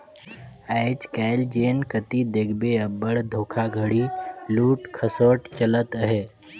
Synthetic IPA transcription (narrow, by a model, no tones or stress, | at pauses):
ɛɪt͡ʃkɛːɪld͡ʒeːnkət̪id̪ekʰbeəbəɽd̪ʱoːkʰaɡʱəɽiluːʈkʰəsoːʈt͡ʃələt̪ɦɛː